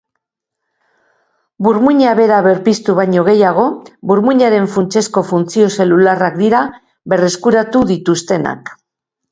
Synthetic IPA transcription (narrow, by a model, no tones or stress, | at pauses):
buɾmuɲaβe̞ɾaβe̞ɾpist̪uβajɲo̞ɣ̞e̞jaɣ̞o̞buɾmuɲaɾe̞ɱfunt͡ʃe̞sko̞funt͡sio̞se̞lularakd̪iɾa | βe̞re̞skuɾat̪uðit̪ust̪e̞na̰k